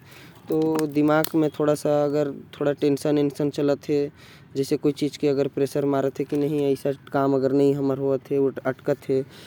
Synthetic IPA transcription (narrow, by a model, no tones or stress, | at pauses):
t̪od̪ɪmaːɡmẽt̪ʰoːɽasaəɡəɾt̪ʰoːɽaʈeːnʃənenʃənt͡ʃələt̪ɦɛ | d͡ʒɛːsekoit͡ʃiːd͡ʒkiəɡəɾpɾeːʃəɾmaːɾət̪ɦɛkinəɦĩəɪsakaːməɡəɾnəɦĩɦəməɾɦoət̪ɦɛəʈkət̪ɦɛː